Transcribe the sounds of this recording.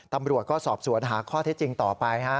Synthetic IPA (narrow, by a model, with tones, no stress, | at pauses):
t̪a˧mɾu˨˩ət̪̚kɔː˥˩sɔː˨˩p̚su˨˩˦ənɦaː˩˦kʰɔː˥˩t̪ʰe˦˥t̪̚t͡ɕi˧ŋt̪ɔː˨˩pa˧jkʰa˦˥